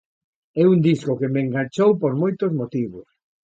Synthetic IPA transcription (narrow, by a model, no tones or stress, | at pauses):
ɛund̪iskokemeŋɡaɲʲt͡ʃowpoɾmojt̪ozmot̪iβos